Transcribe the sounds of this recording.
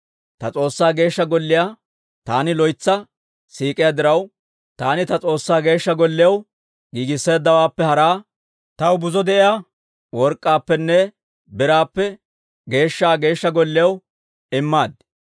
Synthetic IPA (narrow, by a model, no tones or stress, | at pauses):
t̪ɐt͡sʼo̞ːsːaːɡe̞ːʃːɐɡɔlːɪja | t̪aːnɪlɔjt͡sːɐ | siːkʼɪjad̪ɪɾɐw | t̪aːnɪt̪ɐt͡sʼo̞ːsːaːɡe̞ːʃːɐɡɔlːɪjɐw | ɡiːɡɪsːe̞ːd̪ːɐwaːpːɛhɐɾaː | t̪ɐwbʊzɔd̪ɛʔɪjaː | wɔɾkʼːaːpːɛnːɛ | bɪɾaːpːɛ | ɡe̞ːʃːaːɡe̞ːʃːɐɡɔlːɪjɐw | ɪmːaːd̪